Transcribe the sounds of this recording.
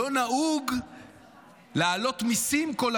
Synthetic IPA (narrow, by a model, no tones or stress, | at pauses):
onauɡ | laːlo̞t̪misimko̞l